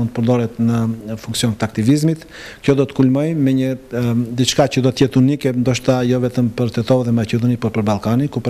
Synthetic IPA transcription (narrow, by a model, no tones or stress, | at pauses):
und̪t̪əpəɾd̪ɔɾɛt̪nəfuŋksijɔnt̪əak̚t̪ivizmit̪ | kjɔd̪ɔt̪ə̥kulmɔjmɛɲəd̪it͡ʃkacəd̪ɔt̪əjɛt̪unikɛnd̪ɔʃt̪ajɔvɛt̪əmpəɾt̪ɛt̪ɔðɛmacɛd̪ɔnipəɾpəɾbalˠkanikup